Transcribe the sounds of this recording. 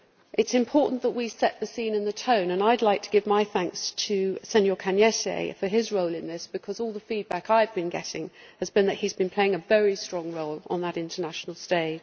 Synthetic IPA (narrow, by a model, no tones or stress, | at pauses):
ʔɨtsɨ̃mpʰɔɹˑʔn̩ðəʔwisɛʔ̪̚ðɨsĩnɨ̃nðətʰə̃ʊ̃nə̃naɪdˡlaɪk̚tʰəɡ̥ɪvmaɪθæ̃ŋkstʰɨsɛ̃njəkʰæ̃njɛsḛɪfə˞ɪzɹoʊlˠɪ̃nðɪsb̥ɨkʰʌzɔlˠðəfid̚bakaɪvbɨ̃nɡɛ̰tɪ̃ŋ | ɨzbɨ̃nðɨt̚hizbɨ̃npʰl̥eɪɪ̃ŋəvɛɹistɹ̥ɒ̃ŋɹoʊlə̰̃nðəɾɪ̃ntʰənaʃnl̩ˠsteɪd̥